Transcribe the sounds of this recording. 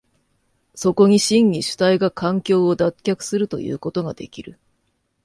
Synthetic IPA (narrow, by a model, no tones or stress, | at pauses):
so̞ko̞ɲ̟iɕĩɲɲʲiɕɨ̥t̪aiɡakʰãŋkʲo̞ːod̪akʲakɯ̟̥sɨɾɯ̟t̪o̞̰jɯ̟̰ːko̞t̪o̞ɡad̪̥e̞̰kʲiɾɯ̟